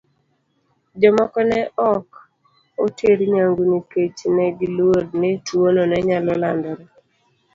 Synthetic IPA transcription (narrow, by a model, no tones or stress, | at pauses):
d͡ʒɔmɔkɔnɛɔk | otʰeɾɲaŋɡuniket͡ʃnɛɡilwoɾnetwonɔnɛɲalɔlandɔɾɔ